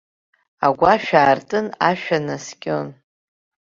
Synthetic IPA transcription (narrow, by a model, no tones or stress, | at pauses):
aɡʷaʃᶣaːrtʼɨnaʃᶣanaskʲʼon